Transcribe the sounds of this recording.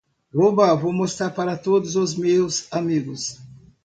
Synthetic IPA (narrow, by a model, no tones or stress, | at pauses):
hobavomost̪aɾpaɾɐt̪od̪ʊzozmewsamiɡʊs